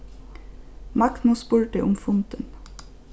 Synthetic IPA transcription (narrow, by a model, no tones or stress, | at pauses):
mɑkt̪nuspʉlʈəʔʊmfʊnt̪ən